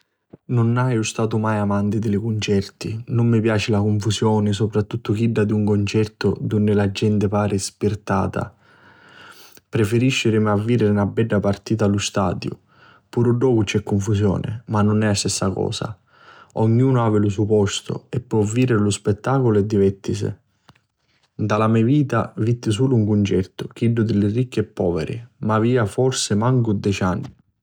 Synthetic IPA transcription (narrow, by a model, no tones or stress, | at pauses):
nʊnːajʊst̪aːt̪̬ʊmajamant̪ɪd̪ɪlɪkʊnt͡ʃɛrt̪inʊmːɪpjaːt͡ʃɪlakʊɱfusjɔːnɪsopɾat̪ːut̪ːʊkiɖːad̪iuŋkont͡ʃɛrt̪ʊd̪unːɪlad͡ʒːɛnt̪ɪpaːɾɪspirt̪a̰ːt̪a̰ | pɾefeɾiʃːɪɾɪmiavːiːɾɪɾɪnabːɛɖːapart̪iːt̪alʊst̪a̰ːd̪jʊ̰ | puɾʊɖɔːpʊt͡ʃɛkːoɱfus̬jɔ̰ːnɪ̰manːʊnɛast̪ɛsːakɔ̰ːsa̰ | ɔɲːuːnʊaːvɪlʊs̬upɔst̪ʊ̰ɛpːwɔvːiːɾɪɾlʊspɛt̪ːaːkʊlʊɛd̪ːivɛt̪ːisɪ̰ | d̪alamɛviːt̪a̰vit̪ːɪs̬uːlʊuŋkunt͡ʃɛt̪ʊk̟iɖːʊd̪ɪlɪrikːiɛpːɔːvḛɾɪ̰maviːafɔrsɪmaŋkʊd̪ɛt͡ʃanːɪ